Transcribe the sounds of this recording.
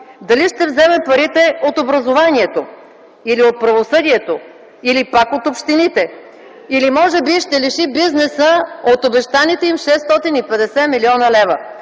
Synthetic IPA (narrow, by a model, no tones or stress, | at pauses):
d̪ɐliʃt̪ɛvzɛmɛpɐɾit̪ɛot̪obɾɐzovaniɛt̪o | iliot̪̚pɾɐvosɤd̪iɛt̪o | ilipakot̪opʃt̪init̪ɛ | ilimɔʒɛbiʃt̪ɛliʃibiznɛsəot̪obɛʃt̪anit̪ɛimʃɛst̪ɔt̪inipɛd̪ɛsɛmiliɔnəlɛvə